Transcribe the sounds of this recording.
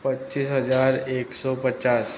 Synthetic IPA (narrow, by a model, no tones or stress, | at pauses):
pətːt͡ʃiːsɦəd͡ʒaːɾeːksɔːpət͡ʃaːs